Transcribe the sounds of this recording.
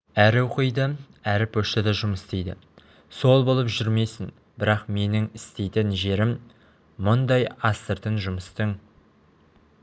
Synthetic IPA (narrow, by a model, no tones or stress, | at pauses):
æɾɪʊqəjd̪ə | æɾɪpʰɵʃt̪ɪd̪ɑʒʊməst̪ejd̪ɪ̰ | so̞lˠbo̞lˠəpʒʏɾme̞jsɪn | bɪɾɑqme̞nɪŋɪst̪ejt̪ɪnʒe̞ɾɪmː | ʊnd̪ɑjɑst̪əɾt̪ənʒʊməst̪əŋ